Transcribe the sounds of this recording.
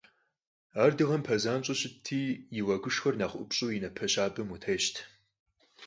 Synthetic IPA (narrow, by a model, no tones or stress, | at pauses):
aːrdɨʁɐmpʰɐzaːnɕʼʊɕɪtʰːiːjɪwɐɡʷʊʃxɐrnaːχʷʔʊ̰pɕʼuːjinɐpʰɐɕʼaːbɨmutʰeɕtʰ